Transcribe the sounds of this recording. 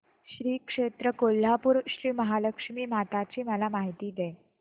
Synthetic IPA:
ɕɾiːkʂet̪ɾəkol̤ːapuːɾɕɾiːməɦaləkʂmiːmat̪at͡ɕiːməlamaɦit̪iːd̪e

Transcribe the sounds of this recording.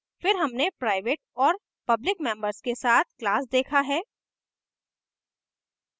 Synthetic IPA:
fɪɾɦɐmnepɾaːɪʋeːʈ̚ɔːɾ | pɐblɪkmɛ̃ːmbəɾskesaːt̪̚ʰklaːsd̪eːkʰaɦɛː

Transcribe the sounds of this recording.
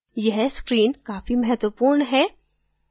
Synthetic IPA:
jɐɦskɾiːnkaːfimɛɦɛt̪wəpuːɾnɦɛː

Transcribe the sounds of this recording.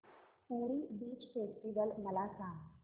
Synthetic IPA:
puɽiːbiːt͡ɕfesʈiʋəlməlasãŋɡ

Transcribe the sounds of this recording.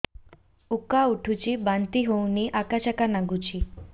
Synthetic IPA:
ukauʈʰut͡ɕibant̪iɦowniʔakaɕakanaɡut͡ɕi

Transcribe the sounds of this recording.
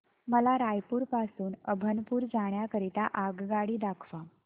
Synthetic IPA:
məlaɾajpuːɾpasuːnəbʱənpuːɾd͡zaɽ̃jakəɾit̪aʔaɡɡaɽiːd̪akʰʋa

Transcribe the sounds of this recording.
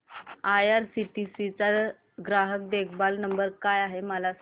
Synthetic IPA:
ajaɾsiʈisit͡sa | ɡɾaɦək̚d̪ekʰbalnəmbəɾkajaɦeməlas

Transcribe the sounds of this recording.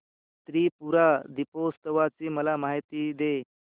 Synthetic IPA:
t̪ɾiːpuɾad̪ipost̪əʋat͡siːməlamaɦit̪iːd̪e

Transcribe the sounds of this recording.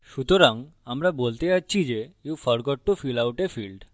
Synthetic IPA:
ʃut̪oɾaŋamɾabolt̪eatːɕʰid͡ʑejufɔɾɡɔʈːufilawʈefilɖ

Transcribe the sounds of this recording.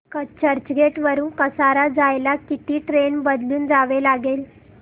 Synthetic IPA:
kət͡ɕəɾt͡ɕɡeʈʋəɾuːnkəsaɾad͡zajlakit̪iːʈɾenbəd̪luːnd͡zaʋelaɡel

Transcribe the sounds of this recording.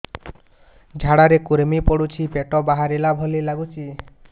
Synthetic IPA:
d͡ʒʱaɽaɾekuɾemipɔɽut͡ʃʰipeʈɔbaɦaɾelabʱɔlilaɡut͡ʃʰi

